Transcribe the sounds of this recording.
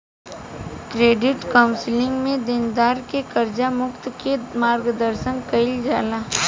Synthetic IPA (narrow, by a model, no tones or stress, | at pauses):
kɾeːɖɪʈkaʊ̃nsɪlɪ̃ŋɡmẽd̪ɪnd̪aːɾkekɐɾd͡ʒamʊkt̪kemaːɾɡd̪əɾʃə̃ŋɡkɐɪld͡ʒaːla